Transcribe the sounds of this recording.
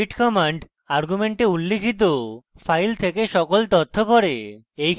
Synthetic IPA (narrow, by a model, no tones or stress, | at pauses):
iʈkɔmaɳɖ | aɾɡumeɳʈeulːekʰit̪̬o | fʰajlt̪ʰekeʃɔkolt̪ɔt̪ʰːopɔɾe | ej